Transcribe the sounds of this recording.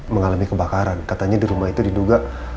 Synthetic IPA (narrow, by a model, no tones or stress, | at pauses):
məŋalamikəbakaɾankat̪aɲadiɾumahit̪udiduɡa